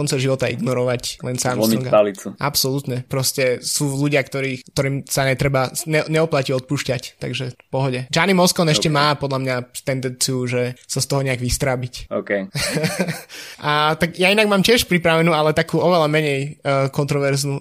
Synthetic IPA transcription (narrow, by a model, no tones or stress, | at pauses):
kɔnt͡sɛʒiʋɔt̪aḭɡnɔɾɔʋaclɛnsamɔŋɡalit͡suʔapsɔlut̪ɲɛpɾɔscɛsuːluɟɪakt̪ɔɾiːkt̪ɔɾiːmsaɲɛt̪ɾɛbaɲɛɲɛɔplaciɔt̪̚puːʃcact̪a̰ɡʒɛfpɔɦɔɟɛd͡ʒanimɔskɔnɛʃcɛmaːpɔd̪ʎamɲat̪ɛnd̪ɛnt͡siuʒɛsast̪ɔɦɔɲɛaɡʋist̪ɾabicɔkɛj | ʔat̪aɡjainaɡmaːmcɪɛʃpɾipɾaʋɛnuːalɛt̪akuːɔʋɛlamɛɲɛjkɔnt̪ɾɔʋɛɾznu